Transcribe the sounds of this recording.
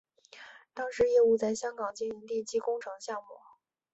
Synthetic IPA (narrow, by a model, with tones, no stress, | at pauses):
t̪ɑ˥ŋʂɻ̩˧˥jɛ˥˧u˥˧t͡sa˥˩ɪɕjɑ˥ŋkɑ˨˩ŋt͡ɕi˥ni˧˥nt̪i˥˩t͡ɕʰi˥kʊ˥ŋʈ͡ʂʰɤ˧˥ŋɕjɑ˥˧ŋmu˥˩